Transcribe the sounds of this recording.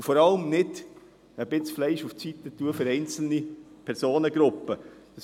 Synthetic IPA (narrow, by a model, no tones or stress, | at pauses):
fɔɾɑləmnɪd̥ | əb̥ɪt͡sflɛɪʃuft͡sit̪ət̪uəfʏɾɛɪnt͡sl̩nipʰɛɾsoːnəɡɾʊpːəd̥ɑs